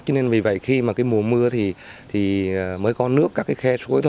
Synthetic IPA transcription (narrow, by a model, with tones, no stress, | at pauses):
t͡ɕɔ˨˦ne˧nvi˨˩və̰˧˨jxi˧maː˨˩kaː˨˦jmu˨˩əmɨ˧ət̪ʰi˨˩t̪ʰi˨˩˨məː˨˦jkɔ˨˦nɨ˦˥əkːaː˦˥kːaː˨˦jxɛ˧su˨˦jt̪ʰ